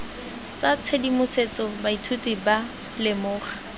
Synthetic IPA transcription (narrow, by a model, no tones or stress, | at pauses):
t͡sat͡sʰedimʊset͡sɔbaitʰutiba | lɪmʊːχḁ